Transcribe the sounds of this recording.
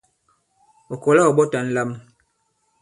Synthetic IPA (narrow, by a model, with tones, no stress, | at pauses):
o˨kɔ˨la˦ɔ˨ɓɔ˦ta˨˦n̩˦la˦m˦